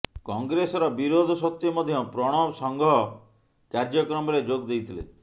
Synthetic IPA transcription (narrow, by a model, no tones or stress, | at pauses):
kɔŋɡɾesɔɾɔbiɾod̪ʱɔsɔt̪ːjimɔd̪ʱjɔpɾɔɽ̃ɔsɔŋɡʱɔɦɔ | kaɾd͡ʒɔkɾɔmɔɾed͡ʒoɡd̪ejt̪ʰilḛ